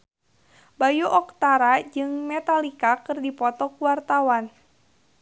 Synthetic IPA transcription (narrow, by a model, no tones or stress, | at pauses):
bajuʔɔkt̪aɾad͡ʒɨŋmɛt̪alikakɨrdipɔt̪ɔkuwart̪awan